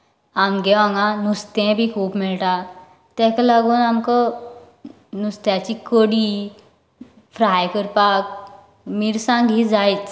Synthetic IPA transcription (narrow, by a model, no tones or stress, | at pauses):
amɡɛʋãŋɡãnust̪ɛ̃bʱikʰuːpmiɭʈa | t̪ɛ̃kalaɡuːnamka | nust̪jat͡ɕikəɽiː | fɾajkəɾpak̚ | miɾsãŋɡʱid͡zajt͡s